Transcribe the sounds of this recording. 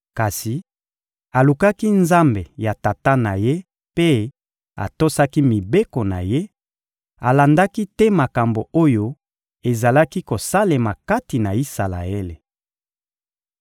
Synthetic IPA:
ka˨si˨ | a˨lu˨ka˦ki˦nza˦mbe˨ja˨ta˨ta˦na˨je˦ | pe˦ | a̰˨to˦sa˦ki˦mi˨be˦ko˨na̰˨je˦ | a˨la˨nda˦ki˦tɛ˦ma˨ka˨mbo˨o˦jo˦ | e˨za˨la˦ki˦ko˨sa˦le˨ma˨ka˦ti˨na˨i˦sa˨la̰˨e˦le˨

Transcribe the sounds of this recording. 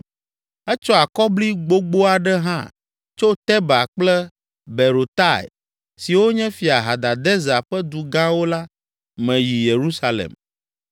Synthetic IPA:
ɛ˦t͡ʃɔ˦a˨kɔ˦bli˦ɡ͡bo˦ɡ͡bo˦a˨ɖɛ˦ɦã̰˦ | t͡ʃo˦t̪ɛ˦ba˨k͡plɛ˦ | bɛ˨ɾo˨t̪a˦˨ɛ̰˨ | si˨wo˦ɲɛ̃˦fi˨a˨ɦa˨d̪a˨d̪ɛ˦za˨ɸɛ˦d̪u˨ɡã˦wo˦la˦ | mɛ̃˨ji˨je˨ɾu˦sa˦lḛ˨m

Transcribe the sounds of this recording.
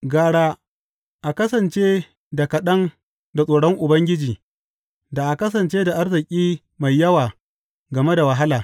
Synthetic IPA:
ɡaː˨ɽaː˦ | ʔa˨kɐ˦sɐ˨nt͡ʃeː˦ | da˨kɐ˨ɗɐ˦ŋ | da˨sʼoː˨ɽɔ˦ŋʔʊ˨bɐ˦ŋɡʲɪ˦d͡ʒiː˨ | da˨ʔa˨kɐ˦s̬ɐ˨nt͡ʃeː˦da˨ʔa˦rzɪ˨kʲʼiː˦ | ma˨jːɐ˦waː˨ | ɡɐ˨me˦da˨wɐ˨ɦa˦laː˨

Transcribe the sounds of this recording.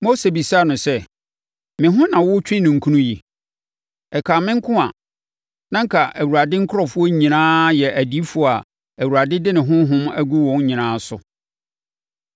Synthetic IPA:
mo˦se˨bi˨saː˦˨nʊ̃˨sɛ˦˨ | mɪ̃˨ɦʊ̃˦nã˨wʊ˦t͡ɕᶣĩ˦nʊ̃˨ŋ̩˨kʰũ˦nũ˦ji˨ | ɛ˨kʰaː˨mɪ̃˦ŋ˦kʰʊ̃˦a̰˨ | nã˦ŋ̩˦kʰa˨ʔæ˨wu˨ɾa˨dɪ˦ŋ̩˦kʰʊ˦ɾɔ˨fʊ˦ɔ˦ɲĩ˨nãː˦jɛ˨ʔæ˨di˦fʊ˦ɔ˦a˨ | æ˨wu˨ɾa˨dɪ˦dɪ˦nɪ̃˨ɦʊ̃˦ɦʊ̃˦mæ˦ɡu˦wɔ̃˨n˦ɲĩ˨nãː˦sʊ̰˨

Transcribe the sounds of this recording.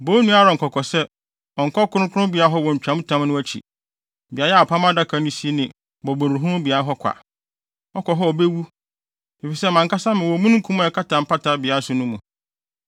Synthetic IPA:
boː˦nũ˦a˦ɾɔ˨ŋ̩˨kʰɔ˨kʰɔ˨sɛ˦ | ɔ˨ŋ˨kʰɔ˦kʰʊ˦ʊ̃˦kʰʊ˦ʊ̃˦bi˨a˨˦ɦɔ˦wɔ̃˨ɲ̩˨t͡ɕᶣã˨˦m˦tʰã˦m˦nʊ̃˦æ˦t͡ɕʰḭ˨ | bi˨a˨˦jɛ˦a˨pʰa˦m˦a˦da˦kʰa˨˦nʊ̃˦si˦e˦nɪ̃˨ | bɔ˨bɔ̃˨n˨ʊ̃˨ɦʊ̃˦ʊ̃˦bi˨a˦ɾa˦ɦɔ˦kʷʰa̰˨ | ɔ˦kʰɔ˨ɦɔ˦ɔ˨be˦wu˦ | e˨fi˨sɛ˦mã˨ŋka˦sã˦mɪ̃˨wɔ˨˦mũ˦ñ̩˦kʰũ˦mã˦ɛ˨kʰa˦tʰã˨m̩˦pʰa˦tʰa˨bɪ˨a˦sʊ˨˦nʊ̃˦mũ˨

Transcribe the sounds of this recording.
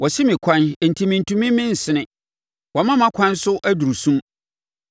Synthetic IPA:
wʔɔ˨sɪ˦mĩ˨kʷʰã˦n˨n̩˨tʰi˨mĩ˨n̩˨tʰũ˨mĩ˦mɪ̃˦n̩˨sɪ˦nɪ̃˦ | wɔ˨mã˦mã˦kʷʰã˦n˦sʊ˦ʔæ˦du˨ɾu˨sũ˦m

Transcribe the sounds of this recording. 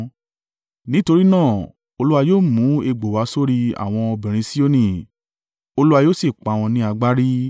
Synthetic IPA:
nĩ˦to˧ɾi˦nãː˦˨ | o˧lu˦a˧joː˦˨mũ˨˦e˧ɡ͡bo˨wa˨˧˦so˦ɾi˧a̰˨w̃ɔ̃˧ɔ˧bĩ˨ɾ̃ĩ˧si˦o˦nĩ˦˨ | o˧lu˦a˧joː˦si˦˨k͡pa˨w̃ɔ̃˧nĩ˦a˧ɡ͡ba˦ɾi˦

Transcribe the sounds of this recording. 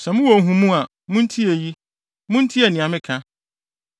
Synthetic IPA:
sɛ˨mʊ̃˦wo˨ɦũ˨mũ˦a˨ | mʊ̃˦n̩˦tʰi˦e˨ji˦ | mʊ̃˦n̩˦tʰi˦ɛ˨nɪ̃˨ã˨mɪ̃˦kʰã˦

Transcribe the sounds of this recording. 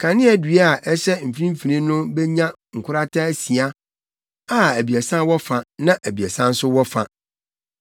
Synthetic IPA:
kʰã˨nɪ̃˦ɛ˨dɥa˨ʔɛ˦ɕɛ˦˨m̩˨fi˦ɾĩ˦m̩˦fi˨ɾĩ˦nʊ̃˦bɛ˦ɲã˦ | ŋ̩˨kʰʷʊ˦ɾa˦tʰa˦æ˦si˨a˦ | a˦æ˨bi˨a˨sã˦wɔ˦fa˨nã˦ʔæ˨bi˨æ˨sã˦n̩˦sʊ˦wɔ˦fa˨

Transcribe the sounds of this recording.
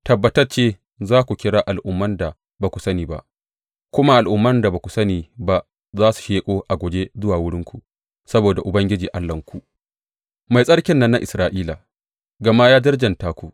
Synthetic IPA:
tɐ˨bːɐ˨tɐ˦rt͡ʃeː˦ | zaː˦kʷu˨kʲɪ˦ɽaː˦ʔa˨lʔʊ˦mːɐ˦nda˨ | ba˨kʷu̥˨sɐ˦niː˨ba̰˦ʔ | kʷʊ˦ma˦ʔa˨lʔʊ˨mːɐ˦nda˨baː˨kʷu˨sɐ˦niː˨ba˦ʔ | zaː˦su̥˨ʃeː˦kʷʼoː˦ʔa˨ɡʷɔ˨d͡ʒe˦zʊ˦waː˨wʊ˦ɽɪ˦ŋkʷu˨ | sɐ˦boː˨da˨ʔʊ˨bɐ˦ŋɡʲɪ˦d͡ʒiː˨ʔa˦lːɐ˨ŋkʷu˨ʔ | ma˨jsʼɐ˦ɽkʲɪ˦nːɐ˦nːa˦ʔɪ˨sɾaː˦ʔiː˦laː˨ | ɡɐ˨ma˦jaː˦d͡ʒɐ˦rd͡ʒɐ˨ntaː˦kʷu˨ʔ

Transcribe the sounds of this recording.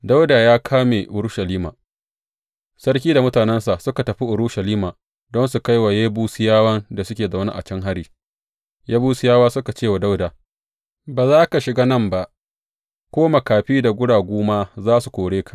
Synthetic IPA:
da˦wda˨jaː˦kʰaː˦meː˨ʔʊ˦ɾʃa˨liː˦ma̰ː˨ | sɐ˦ɽkʲiː˦da˨mʊ˦taː˨nɛ˦nsa˨sʊ˦ka˨tɐ˨ɸi˦ʔʊ˨ɾʊ˦ʃa˨liː˦maː˨ | dɔ˦nsu˨ka˦jwa˨jeː˦buː˦sɪ˦jaː˦wɐ˦nda˨sʊ˦kʲeː˨za˨˦na̰˦ʔa̰˨t͡ʃɛ˦ŋɦa˦ɽiː˨ | jaː˦buː˦sʊ˦jaː˦waː˦sʊ˦ka˨t͡ʃeː˦˨wa˨da˦wdaː˨ | baː˨zaː˦ka˨ʃɪ˨ɡa˦nɐ˦mba˨ʔ | kʷoː˦ma˨kaː˨ɸiː˦da˨ɡʷʊ˦ɽaː˨ɡʷoː˦maː˦zaː˦su˨kʷoː˨ɽeː˦kʰḁ˨ʔ

